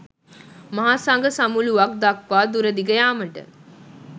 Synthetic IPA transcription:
maɦasaŋɡəsamuluʋak̚d̪akʋaːd̪uɾəd̪iɡəjaːməʈə̰

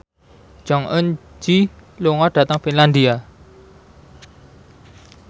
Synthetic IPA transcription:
d͡ʒ̥ɔŋʔənd͡ʒiluŋɔɖ̥a̤t̪əŋfinland̪ia

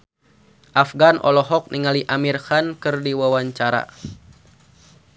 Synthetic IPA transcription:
ʔafɡanʔɔ̰lɔɦɔk̚niŋaliʔamirhankɨrdiwawaɲt͡ʃaɾa̰

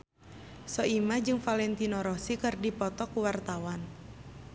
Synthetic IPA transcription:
sɔʔimad͡ʒɨŋfalɛnt̪inɔɾɔsikɨrdipɔt̪ɔkuwart̪awan

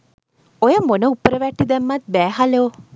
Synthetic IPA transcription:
ojəmonəupːəɾəʋɛʈːid̪ɛmːɐt̪̚bæːɦaleo

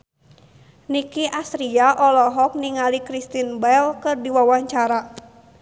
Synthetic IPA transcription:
nikiʔasɾiaʔɔlɔɦɔk̚niŋalikɾist̪inbɛlkɨrdiwawaɲt͡ʃaɾa

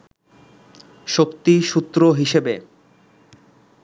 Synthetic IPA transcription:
ʃokt̪iʃut̪ːɾoɦiʃebe

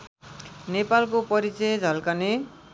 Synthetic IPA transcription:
nepalkopʌɾit͡sʌd͡zʱʌlkʌne

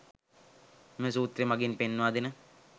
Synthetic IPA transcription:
mesuːt̪rimaɡinpenːuʋaːd̪inə

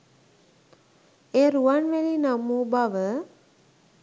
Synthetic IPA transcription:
eːɾuanʋelinamuːbaʋə

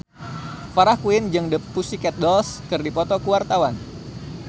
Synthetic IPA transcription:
faɾahkuɪnd͡ʒɨŋdəpusikɛt̪̚dɔlskɨrdipɔt̪ɔkuwart̪awan

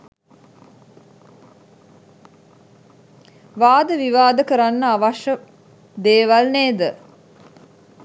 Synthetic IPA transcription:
ʋaːd̪əʋiʋaːd̪əkəɾanːəaʋaʃə | d̪eːʋalneːd̪ə

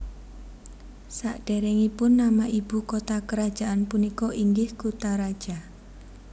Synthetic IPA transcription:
saʔɖ̥ɛɾɛŋipʊnːamaʔib̥ukot̪akəɾad̥ʒ̥aʔanpunikɔʔiŋɡɪhkut̪aɾad̥ʒ̥a

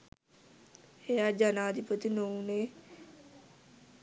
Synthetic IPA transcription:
hejaːd͡ʒaːnaːd̪ipət̪inoũneː

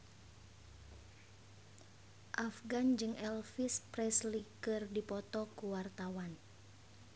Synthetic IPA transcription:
ʔafɡand͡ʒɨŋʔɛlfisprɛslikɨrdipɔt̪ɔkuwart̪awan

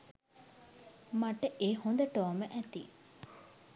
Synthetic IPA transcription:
maʈəʔehond̪əʈoːməʔæt̪ḭ

